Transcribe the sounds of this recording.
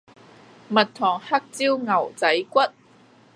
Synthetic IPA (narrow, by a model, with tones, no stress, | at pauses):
mɐ˨t̚t̪ʰɔː˨˩ŋha˥k̚t͡siː˥wŋɐ˨˩wt͡sɐ˨˥jkʷɐ˥t̚